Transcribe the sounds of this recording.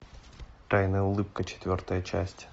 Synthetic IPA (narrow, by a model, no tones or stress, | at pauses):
t̪ajnəjəʊlˠɨp̚kət͡ɕɪ̥t̪vʲo̞rt̪əjət͡ɕæ̰sʲtʲ